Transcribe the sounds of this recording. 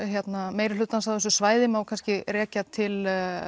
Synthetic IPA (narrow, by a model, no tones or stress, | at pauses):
ɦjɛt̪nameːjɾɪlʏːt̪ːansawðɛsʏsvaːjðɪmawkʰanscɪrɛːcat̪ʰɪl